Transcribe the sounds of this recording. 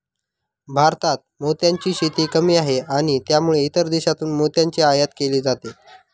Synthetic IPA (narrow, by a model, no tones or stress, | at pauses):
bʱaɾt̪at̪̚mot̪jaɲt͡ɕiːɕit̪iːkəmiːaɦeaɽ̃it̪jamuɭeit̪əɾd̪eɕat̪uːnmot̪jaɲt͡ɕeajət̪keliːd͡zat̪e